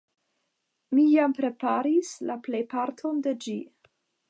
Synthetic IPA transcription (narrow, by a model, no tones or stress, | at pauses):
mijampɾe̞paɾislaple̞jpaɾtʰo̞nde̞d͡ʒi